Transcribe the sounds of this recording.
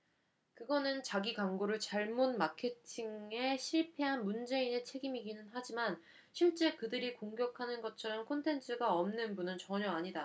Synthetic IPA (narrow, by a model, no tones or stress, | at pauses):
kɯɡʌnɯnt͡ɕaɡikaŋɡoɾɯɭt͡ɕaɭmonmakʰe̞tʰiŋe̞ɕʰiɭpʰe̞ɦanmund͡ʑe̞ine̞t͡ɕʰeɡimiɡinɯnɦad͡ʑiman | ɕʰiɭt͡ɕ͈e̞kɯdɯɾikoŋɡjʌkʰanɯnɡʌt͡ɕʰʌɾʌmkʰontʰe̞nt͡ɕʰɯɡaʌmnɯnbunɯnt͡ɕʌɲʌaɲida